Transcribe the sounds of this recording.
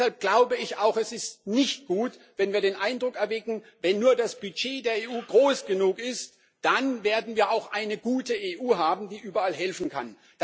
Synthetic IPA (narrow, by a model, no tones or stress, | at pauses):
halp̚ɡ̥laʊbəɪça̰ʊxɛsɪstnɪçt̚ɡ̥uːtvɛnviːɐɾeːnʔaɪndʁʊkɛɐvɛɡŋ̩vɛnːuːɐdasb̥yt͡ʃeːdeːɐeːʔuːɡʁoːsɡ̥ənuːkɪst | d̥anveːɐdn̩viːɐaʊxʔa̰ɪnəɡuːtəʔeːʔuːɦaːbm̩diːʔyːbɐalɦɛlfn̩kʰa̰n | d̥